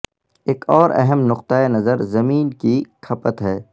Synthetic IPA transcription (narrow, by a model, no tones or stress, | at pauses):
eːkɔːɾɛ̰ɦəmnʊq̚t̪aenɐzəɾzɐmiːnkikʰɐpət̪ɦɛː